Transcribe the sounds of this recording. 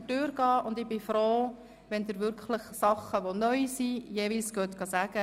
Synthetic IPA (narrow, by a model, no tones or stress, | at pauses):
tøːɾɡ̥ɑːʊnd̪ɪbɪfɾoː | ʋɛnd̪əɾʋʏɾkʰχləχsɑχəʋonœʏsijeːviːlsɡ̥øt̪ɡ̥ɑsæɡ̥ə